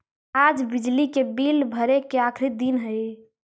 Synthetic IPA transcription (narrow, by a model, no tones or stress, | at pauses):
ad͡ʒbid͡ʒlikebilbʱəɾekeakʰɾid̪inɦəj